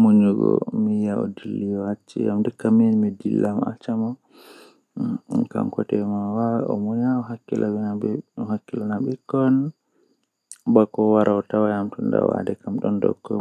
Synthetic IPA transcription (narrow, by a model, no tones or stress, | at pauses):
muɲuɡɔ̰mijaɔdilːijɔat͡ʃːijamdɛkaminmidilːama̰t͡ʃama | ka̰mkɔtɛmawawɔmɔɲaɔɦakːilʔawnahakːilanabɛkːɔn | bakɔwaɾʔaɔtawajamtunda̰wa̰dɛkamɗɔndɔ̰kːɔ